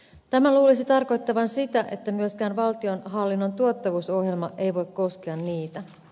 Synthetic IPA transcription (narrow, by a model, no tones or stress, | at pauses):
t̪æmæluːlisit̪ɑrko̞jt̪ːɑʋɑnsit̪æʔe̞t̪ːæmyøskæːnʋɑlt̪io̞nɦɑlːinːo̞nt̪uot̪ːɑʋuːso̞hje̞lmɑʔe̞jʋo̞jkko̞skeɑnːiːt̪æ